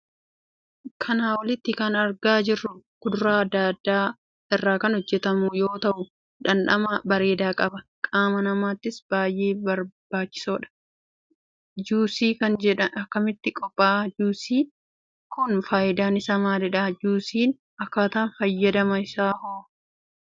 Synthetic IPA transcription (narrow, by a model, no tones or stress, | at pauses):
kʰɐnaːwɐlɪt̪ːɪkɐnɐɾɡaːd͡ʒɪrːʊkʊd̪ʊɾaːɐd̪ːaːd̪ːaː | ɪrːaːkɐnhɔd͡ʒːɛt̪ɐmʊjo̞ːt̪ɐʔʊ | ᶑɐnᶑɐ̰mɐbɐɾe̞ːd̪aːkʼɐbɐkʼaːmɐnɐmaːt̪ːɪsb̥aːjʔe̞ːbɐɾb̥aːt͡ʃːɪ̥soːᶑɐ̥ | d͡ʒuːsiːkɐnd͡ʒɛᶑɐnɐkːɐmɪt̪ːɪkʼɔpʼːaːd͡ʒuːsiː | kʊnfaːʔɪd̪aːnɪsɐmaːd̪ɛᶑaːd͡ʒuːsiːn | ɐkːaːt̪aːnfɐjːɐd̪ɐmɐɪsaːhoː